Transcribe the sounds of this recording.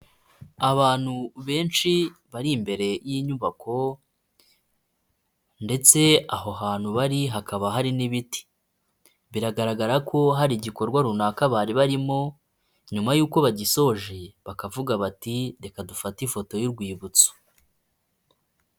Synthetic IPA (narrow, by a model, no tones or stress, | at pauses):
aβaːn̥huβe̞ːnʃiβaɾimbe̞ɾe̞jiɲuβako̞ | nde̞t͡se̞aɦo̞ɦaːn̥huβaɾiɦakaβaɦaɾiniβiti̥ | βiɾaɡaɾaɡaɾakʰo̞ɦaɾiɟiko̞ɾɡwaɾunakaβaːɾiβaɾimo̞ | ɲumajuːko̞βaɟiso̞ʒeβakavuɡaβatide̞kadufatifo̞to̞jiɾɡwiːβut͡so̥